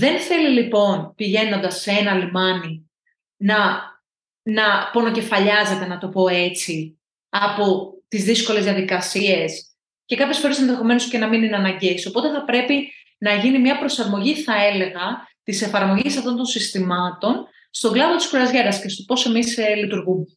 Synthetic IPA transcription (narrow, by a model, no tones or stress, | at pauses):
ðe̞nθe̞lilipo̞npiʝe̞no̞nd̪ɐsːeenɐlimɐni | nɐ | nɐpo̞no̞ce̞fɐʎɐze̞t̪e̞nɐt̪o̞po̞e̞t͡si | ɐpo̞t̪izðisko̞le̞zðijɐðikɐsie̞s | ce̞kɐpçesfo̞ɾese̞nðexo̞me̞nosce̞nɐmininɐnɐɲɟesio̞po̞t̪e̞θɐpɾe̞pi | nɐʝinimɲɐpɾo̞sɐɾmo̞ʝiθɐe̞le̞ɣɐt̪ise̞fɐɾmo̞ʝisɐft̪o̞nt̪o̞nsist̪imɐt̪o̞n | st̪o̞ɡlɐvot̪isxuɾɐzʝeɾɐsce̞st̪o̞̥po̞se̞mislit̪uɾɣume